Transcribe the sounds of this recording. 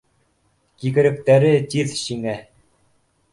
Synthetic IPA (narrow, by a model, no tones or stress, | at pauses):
kikɘ̆ɾɘ̆k̚t̪æɾɘt̪ʲiðɕiŋæ